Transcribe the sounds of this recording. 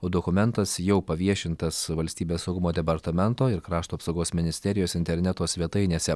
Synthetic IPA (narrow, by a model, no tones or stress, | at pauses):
oːd̪oːkʊmʲɛnt̪ɐsjɛʊpɐʋʲiɛʃʲɪnt̪ɐsʋɐlʲsʲt̪ʲiːbʲeːssɐʊɡʊmoːd̪ʲɛpɐɾt̪ɐmʲɛnt̪oːɪɾkɾɑːʃt̪uːɐpsoʊɡoːsmʲɪnʲɪsʲt̪ʲɛɾʲɪjoːsɪnʲt̪ʲɛɾʲnʲɛt̪oːsʲʋʲiɛt̪ɐɪnʲeːsʲɛ